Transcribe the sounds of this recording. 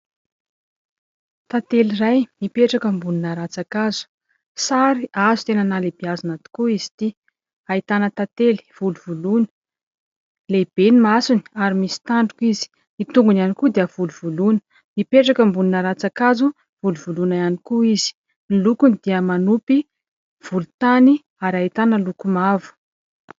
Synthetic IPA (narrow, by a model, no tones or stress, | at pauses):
t̪at̪elirajmipeʈ͡ʂakəmbuninaɾat͡sakazu̥ | saɾiʔazut̪enənalebiazanat̪u̥kuiz̥i̥t̪i | ait̪anət̪at̪eli̥v̥uluvulunə̥ | leb̥enimasuni̥aɾimisi̥t̪aɳɖ͡ʐukizi̥ | it̪uŋɡunianikud̪iəv̥uluvulunə̥ | ipeʈ͡ʂakəmbuninaɾat͡sakazu | v̥uluvulunajanikuiz̥i̥ | nilukunid̪̥iəmanupi | v̥ulut̪ani | aɾait̪anəlukumavu̥